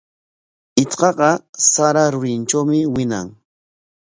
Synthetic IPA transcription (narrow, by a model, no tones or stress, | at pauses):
ɪt͡sqɑɢɑsaɾaɾʊɾɪnt͡ʃawmɪwɪna̰ŋ